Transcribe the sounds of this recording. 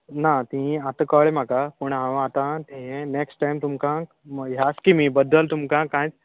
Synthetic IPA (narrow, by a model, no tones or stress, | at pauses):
nat̪ĩat̪kɔːɭemãkapuɳ̃ɦãʋat̪ãt̪iɦẽneːksʈʈajmt̪umkã | ɦaːskimĩbɐd̪əlt̪umkãkãːt͡ʃ